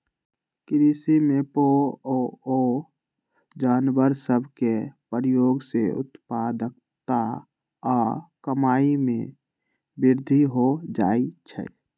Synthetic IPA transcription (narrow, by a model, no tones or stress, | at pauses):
kɾisimepooo | d͡ʒaːnwəɾsəbʱkepəɾjoːɡseʊ̰t̪pad̪ək̚ | t̪a | ɔːkəmaːimẽ | bɪɾd̪ʱiɦod͡ʒa̰ːit͡ʃʰɛ̰